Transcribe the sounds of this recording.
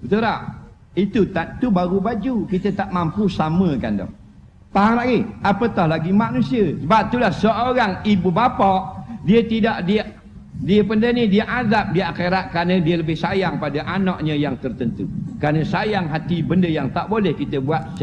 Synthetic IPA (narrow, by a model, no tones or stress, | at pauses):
bət̪uɾaʔ | it̪ut̪at̪ubaɾubad͡ʒukit̪ət̪aʔmampusaməka̰ndɔ̰h | t̪aɦaŋɾaʔɡiapət̪ɔhlaɡimanusiəsəbap̚t̪ulahsəoɾaŋibubapɔʔdiət̪idaʔdiʔ | diəpəndənidiəʔazap̚diəʔakeɾaʔ̪̚kəɾanə̃diələbɪhsajaŋpadaʔanɔʔɲəjaŋt̪ərt̪ənt̪ṵkɾanəsajaŋɦat̪ibəndəjaŋt̪aʔbolɛhkit̪əbuat̪̚